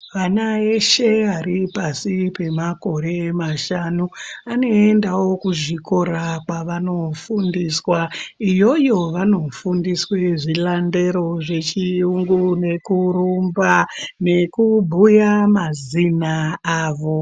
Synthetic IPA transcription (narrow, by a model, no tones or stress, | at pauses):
ʋanaeʃe̞ɦaɾipasipe̞mako̞ɾe̞maʃanuano̞endawo̞kuʐiko̞ɾakwaʋano̞fundiswaijo̞jo̞ʋano̞fundisweʐilande̞ɾo̞ʐe̞t͡ʃijuŋɡune̞kuɾumbane̞kubʱujamazinaaːʋo̞